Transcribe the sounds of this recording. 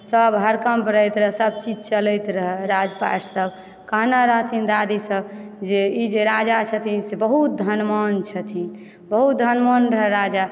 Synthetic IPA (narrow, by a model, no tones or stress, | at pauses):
səbɦəɾkəmpɾəjt̪ɾəɦɛsəb̚t͡ʃid͡ʒt͡ʃələjt̪ɾəɦɛɾad͡ʒpa̰ʈsəb | kəɦnaɾəɦt̪ʰind̪ad̪isəb | d͡ʒeid͡ʒeɾad͡ʒat͡ʃʰət̪ʰinsebəɦut̪̚d̪ʱənmənt͡ʃʰət̪ʰin | bəɦut̪̚d̪ʱənmənɾəɦɛɾad͡ʒa